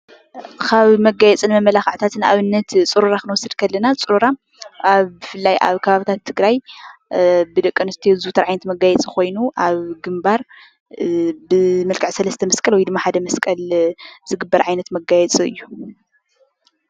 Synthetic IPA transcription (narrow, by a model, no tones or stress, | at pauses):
kʰaβmɐɡajɛt͡sʼɨnmɐmːɐlaxɨʕt̪ʰat̪ʰɨna̰βɨnːɐt̪t͡sʼɨɾuɾakʰɨnwɔsːɨd̪kʰɐlːɐnat͡sʼɨɾuɾa | aβbɨfɨlːajʔa̰βkʰɐβaβɨt̪ʰat̪ʰːɨɡɾaj | bɨd̪ɐkʼːɨnɨst̪ʰizut̪ʰɐɾʕajnɐt̪mɐɡajɛt͡sʼiko̞jnuʔaβɡɨmbaɾ | bɨmɐlkʰʼɨʕsɐlɐst̪ʰɐmɐskʼɐlwɔjd̪ɨmːaħad̪ɐmɐskʼɐlz̥ɨɡɨbːɐɾʕajnɐt̪mɐɡajɛt͡sʼiɨ̰jːu